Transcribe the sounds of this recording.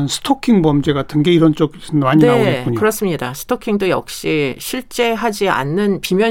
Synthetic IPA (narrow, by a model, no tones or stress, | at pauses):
nsʰɯ̥tʰokʰiŋmʌmd͡ʑe̞ɡatʰɯnɡe̞iɾʌnt͡ɕ͈oɡnmaɲnineaɡetkkuɲkɯɾʌs͈ɯmɲidasʰɯ̥tʰokʰiŋdojʌ̰k̚ɕ͈iɕʰiɭt͡ɕ͈e̞ɦad͡ʑia̰nːɯnpimjʌ